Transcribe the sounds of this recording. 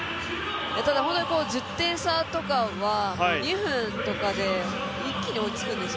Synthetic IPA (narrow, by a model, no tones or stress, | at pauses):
jat̪ad̪aɦõt̪oɲʲiko̞ːd͡ʑɨt̪ːẽ̞ɰ̃sat̪o̞kaβaɲiɸɯ̟̃nt̪o̞kad̪e̞ | ikʲːiɲ̟io̞it͡sɨ̥kɯ̟̃nd̪e̞s